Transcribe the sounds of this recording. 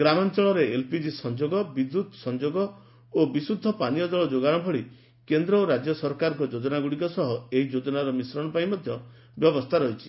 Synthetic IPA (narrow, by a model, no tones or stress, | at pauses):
ɡɾamɔnt͡ʃɔɭɔɾeelpid͡ʒisɔnd͡ʒoɡɔbid̪ːut̪sɔnd͡ʒoɡɔ | obisud̪ʱːɔpanijɔd͡ʒɔɭɔd͡ʒoɡanɔbʱɔɭi | kend̪ɾɔɾad͡ʒjɔsɔɾkaɾɔ̃kɔd͡ʒod͡ʒɔnaɡuɽikɔsɔɦɔeɦid͡ʒod͡ʒɔnaɾɔmisɾɔɽ̃ɔpaj̃mɔd̪ʱjɔ | bjɔbɔst̪ʰaɾɔɦit͡ʃʰi̥